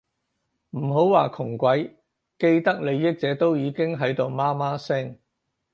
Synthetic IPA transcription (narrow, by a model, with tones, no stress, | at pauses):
m̩˨˩ɦo˨˥wwaː˨˩kʰʊ˨˩ŋkʷɐ˨˥j | ke˧jt̪ɐ˥k̚le˨˧jːɪ˥k̚t͡sɛː˨˥t̪o˥wjiː˨˧kɪ˥ŋɦɐ˨˥jt̪o˨wmaː˥maː˥sɛː˥ŋ